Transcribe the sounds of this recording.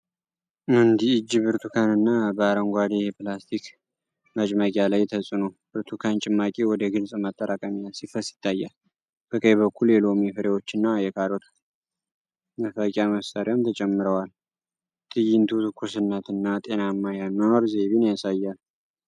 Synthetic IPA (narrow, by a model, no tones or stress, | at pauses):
mɨnd̪iɨd͡ʒːiβɨɾt̪ʰukʰanɨnːabəaɾəŋɡʷad̪ijɛplast̪ʰik | mət͡ʃʼməkʲʼjalajt̪ʰəsʼɨnobɨɾt̪ʰukʰant͡ʃʼɪmːakʼiwɔd̪əɡɨlsʼmət̪ʼːəɾakʼəmalsifəsɪ̥t̪ʰːajːal | bəkʼəjβəkʰːuljɛlo̞mifɨɾewot͡ʃːɪnːajɛkʰaɾot̪ʰa | məfəkʲʼjaməsaɾiamt̪ʰət͡ʃʼɛmːɨɾəwal | t̪ʼɨjɪnt̪ʰut̪ʰɨkʰːusɨnːət̪ɨnːat̪ʼe̞namːajanːonoɾze̞βinjasajːal